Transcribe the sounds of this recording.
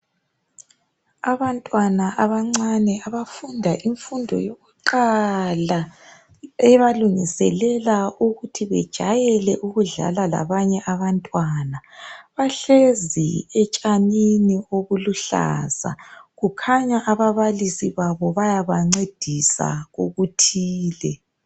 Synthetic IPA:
aβantʼwanaʔaβaŋ͡ǀanɛaβafundʱaʔiɱfundʱɔ̰joɣuǃala | ɛβaluŋisɛlɛlauɣutʰiβɛ̰d̥ʒ̥ʱa̰jɛlɛʔuɣuɮa̰lala̰βaɲɛʔaβantʼwanaβaɬezḭɛt͡ʃʼaninioβuluɬa̰ːza̰ɣukʰaɲaʔaβaβalisiβaβɔβajaβaŋ͡ǀed̥ʱisa̰ɣoɣutʰiːlɛ

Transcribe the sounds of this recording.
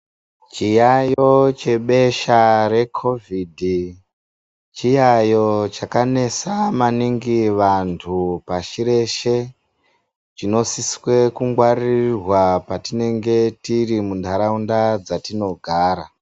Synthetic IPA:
t͡ʃijajo̞t͡ʃe̞ɓe̞ʃare̞kʰo̞vʱidʱi | t͡ʃijajo̞t͡ʃakane̞samaniŋɡiʋantʰupaʃiɾe̞ʃe̞ | t͡ʃino̞siswe̞kuŋɡwarirwapatine̞ŋɡe̞tirimundʱaɾaundad͡zatino̞ɡʱaːɾa

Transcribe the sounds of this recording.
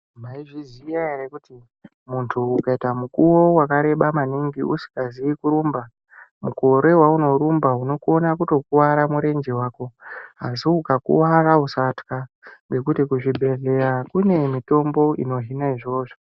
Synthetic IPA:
maiʐizijaerekuti | muntʰuːkaitamukuwo̞wakaɾe̞ɓamaniŋɡiʔusi̥ɡaziikuɾumba | muko̞ɾe̞wauno̞ɾumbaɦuno̞kuonakuto̞kuwaɾamuɾe̞nd͡ʒewaːko̞asiukakṵwarausatkaŋɡe̞kutikuʐibʱe̞ɮe̞ɾakune̞mito̞mbo̞ḭno̞ɦinaiʐo̞ːʐo̞

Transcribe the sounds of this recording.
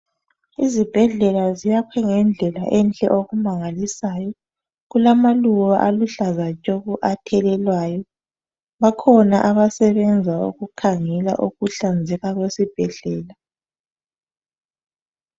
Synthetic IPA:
izib̥ʱɛɮɛlazijakʰwɛŋɛnd͡ɮʱɛla̰ʔɛnt͡ɬʼɛ̰ʔoɣumaŋalisaːjɔ | ɣulamaluɣaʔaluɬazat͡ʃʼoɣuʔatʰɛlɛlwaːjɔ | βakʰɔnaʔaβasɛβɛnd͡zʱaṵɣukʰaŋɛla̰ʔuɣuɬand͡zʱɛɣaɣwesib̥ʱɛɮɛːla

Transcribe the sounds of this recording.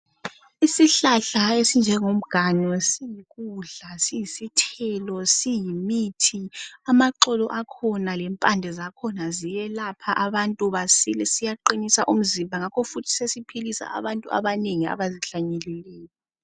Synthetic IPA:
isiɬaɬaesind͡ʒʱɛŋom̩ɡ̥ʱaɲɔsijiɣuɮasijisitʰɛlɔsijimitʰiamaǃɔlɔʔakʰɔnalɛmpʼandʱɛzakʰɔnazijɛlapʰaʔaβantʼuβasilɛsijaǃinisa̰ʔum̩zimbʱaŋakʰɔfutʰi̥sesipʰilisa̰a̰βantʼua̰βaneŋia̰βaziɬaɲɛlɛlɛːjɔ

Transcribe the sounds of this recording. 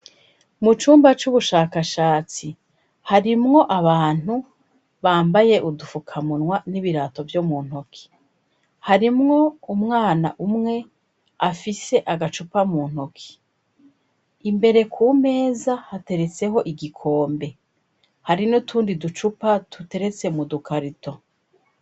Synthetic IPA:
mut͡ʃuːmbat͡ʃuβuʃaːkaʃaːt͡si | haɾimŋo̞ʔaβaːn̥u | βaːmbaje̞ʔudufukʰamunŋwaniβiɾaːto̞vjomuːn̥hokʰi̥ | haɾimŋo̞umŋaːna̰ʔumŋe̞ | afise̞ʔaɡat͡ʃupamuːn̥hokʰi̥ | imbe̞ɾe̞kʰuːme̞ːzahate̞ɾe̞t͡se̞ɦo̞ʔiɡikʰo̞ːmbe̞ | haɾinotʰuːndidut͡ʃupatute̞ɾe̞t͡se̞mudukʰaɾito̞

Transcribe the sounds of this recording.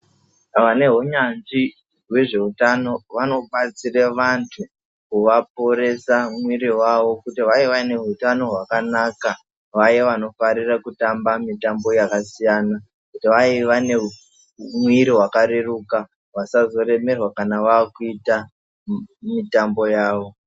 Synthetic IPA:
ʋane̞ɦuɲanʐi | ɦwe̞ʐe̞utano̞ʋano̞ɓat͡sireʋantʰu | kuʋapo̞ɾe̞samwiɾiwaʋo̞kutiʋaiʋane̞ɦutano̞ɦwakanaːka | ʋajeʋano̞faɾirakutambamitambo̞jakasijaːna | kutiʋaiʋane̞ | mwiɾiɦwakaɾeruka | ʋasazo̞re̞me̞rwakanaʋaːkuita | mitambo̞jaːʋo̞

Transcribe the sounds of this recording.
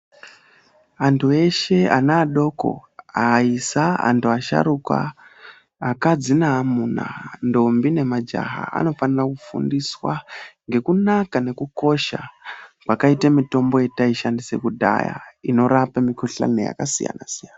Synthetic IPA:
antʰue̞ʃe̞anaːɗo̞ko̞̰aisaa̰ntuaʃa̰ɾukwa̰ː | kad͡zinamuna̰ndo̞mbine̞mad͡ʒa̰ɦa̰a̰no̞fanirakufṵndiswaŋɡe̞kunakane̞kuko̞ʃakwakaitemito̞mbo̞je̞taiʃandisḛkudʱa̰ja̰ino̞ɾapamikuɬa̰nḛja̰kasija̰nasijana

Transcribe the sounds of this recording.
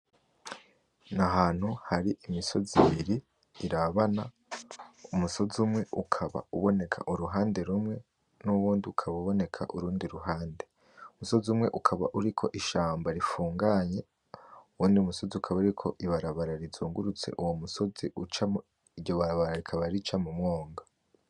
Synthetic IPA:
naɦaːn̥huhaɾiʔimiso̞ziβiɾiː | ɾaβana | umuso̞zumŋe̞ukʰaβa̰uβo̞ne̞kʰa̰ʔuɾuɦaːnde̞ɾumŋe̞ | nuβuːndiukʰaβauβo̞ne̞kʰa̰ʔuɾuːndiɾuɦaːnde̞ | umuso̞zumŋe̞ʔukʰaβaʔuɾikʰo̞ʔiʃaːmbaɾifuːŋɡaɲe̞ | uwuːndiumuso̞ziukʰaβauɾikʰo̞ʔiβaɾaβaɾaɾizuːŋɡuɾut͡se̞̰ʔuwomuso̞ziut͡ʃa | iɾɟoβaɾaβaɾaɾikʰaβaɾit͡ʃamumŋo̞ːŋɡa

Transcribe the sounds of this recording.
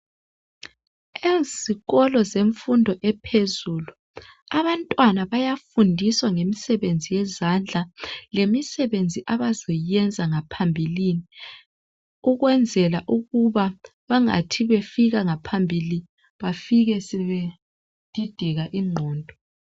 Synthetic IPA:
eziɣɔlɔzeɱfundʱɔʔɛpʰezuːlu | aβantʼwanaβajafundʱiswaŋemisɛβend͡zʱijɛzand͡ɮʱalemisɛβend͡zʱiʔaβazɔjɛnd͡zʱaŋapʰambʱilini | uɣwɛnd͡zʱɛlaʔuɣuβaβaŋa̰tʰiβefiɣaŋapʰambʱili | βafiɣɛsɛβe | d̥ʱid̥ʱiɣaʔiŋ͡ǃʱɔːndʱɔ

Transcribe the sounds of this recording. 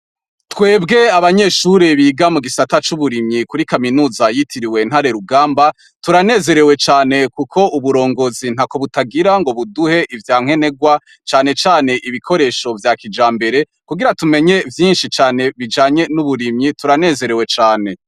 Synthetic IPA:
twe̞ːbɡe̞aβaɲe̞ːʃuɾiβiːɡamuɡisatat͡ʃuβuɾimɲikuɾikaminuːzajitʰiɾiwe̞n̥haɾe̞ɾuɡaːmba | tuɾane̞ːze̞ɾe̞we̞t͡ʃaːne̞kukʰo̞uβuɾo̞ːŋɡo̞zin̥hako̞βutaɡiɾaŋɡo̞βuduhe̞ʔivjaːŋ̥e̞ne̞ɡwa | t͡ʃaːne̞t͡ʃaːne̞ʔiβikʰo̞ɾe̞ːʃo̞vjakid͡ʒaːmbe̞ɾe̞ | kuɡiɾatume̞ɲe̞vjiːnʃit͡ʃaːne̞βid͡ʒaːɲe̞nuβuɾimɲituɾane̞ːze̞ɾe̞we̞t͡ʃaːne̞

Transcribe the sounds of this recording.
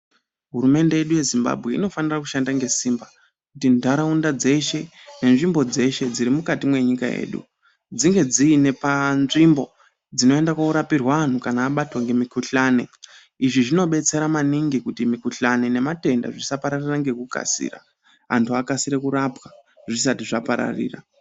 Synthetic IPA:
ɦurume̞nde̞je̞ɗuje̞zimba̰bʱɣe̞ḭno̞fanirakuʃandaŋɡe̞siːmba | kutindʱaɾaundad͡ze̞ʃe̞ | ne̞nʐimbo̞d͡ze̞ʃe̞d͡ziɾimukatimwe̞ɲika̰jḛːɗṵ | d͡ziŋɡe̞d͡ziːne̞panʐimbo̞ | d͡zino̞e̞ndakwauɾapirwaan̤ukanaːɓatwaŋɡe̞mikuɬane̞ | iʐiʐino̞ɓe̞t͡se̞ɾamaniŋɡikutimikuɬane̞ne̞mate̞nda̰ʐisapaɾariraŋɡe̞kuka̰sḭːra̰ | a̰ntʰuakasiɾekuɾapwa | ʐis̬atiʐapaɾa̰rḭːra̰

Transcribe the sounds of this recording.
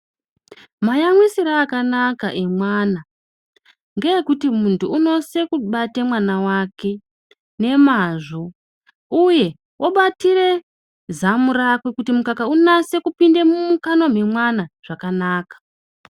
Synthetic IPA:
majamwisiɾaːkanakaʔe̞mwaːna | ŋɡejekutimuntʰuːno̞se̞kuɓate̞mwanawake̞ | ne̞maʐo̞ | uje̞ | wʔoɓatire̞ | zamuɾakwikutimukakaunase̞kupinde̞mumukano̞me̞mwanaʐ̥akanaːkḁ

